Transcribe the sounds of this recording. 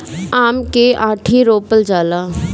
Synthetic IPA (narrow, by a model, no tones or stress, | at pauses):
aːmkeʔãːʈʰiɾoːpəld͡ʒaːlaː